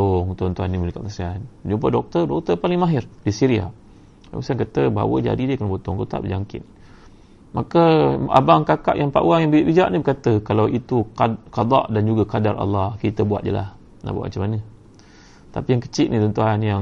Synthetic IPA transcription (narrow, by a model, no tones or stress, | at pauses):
ɔŋt̪unt̪uɦanːiməlikaʔkəsianəd͡ʒump̬adɔk̚t̪ərdɔk̚t̪əpalɪŋmaɦɪrdisiɾia̰ | a̰ŋsaankat̪əba̰wəd͡ʒa̰didiəkənəbot̪ɔŋt̪ut̪a̰ʔbəd͡ʒaŋkɪ̰t̪̚ | makəa̰baŋkaka̰ʔjaŋpa̰ʔwaŋjaŋbiaʔbid͡ʒaʔnibəkat̪əkalawʔit̪ukɑd̪ɑ̰ʔdand͡ʒuɡakadarʔa̰lːɑhkit̪əbuat̪̚d͡ʒə̰la̰h | na̰bua̰ʔma̰t͡ʃamːanə | t̪apijaŋkə̥t͡ʃiʔ̪nit̪ɔnt̪uɦanjaŋ